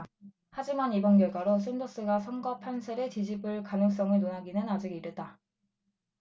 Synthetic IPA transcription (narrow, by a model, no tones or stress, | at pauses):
had͡ʑimanibʌnɡjʌɭɡwaɾosʰendos͈ɯɡasʰʌŋɡʌpʰansʰeɾet͡ɕid͡ʑibɯɭkanɯŋs͈ʌŋɯɭnonaɡinɯnad͡ʑiɡiɾjʌt̚t͈a